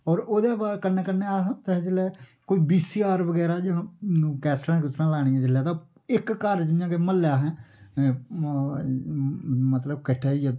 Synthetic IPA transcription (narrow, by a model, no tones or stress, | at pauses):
ɔːɾoːd̪eːbaːkəneːkəneːaːɦt̪ɛɦt͡ʃəlɛːkoːiːbiːsiːaːɾʋəɡɛːɾaːd͡ʒãːkɛːsɾãkʊsɾãːlaːɽ̃ɪjãːt͡ʃəljaːt̪ãː | ɪkːəɾd͡ʒɪjãːkeməlːjaːɦɛ̃ː | mət̪ləbkɪʈʰːejaː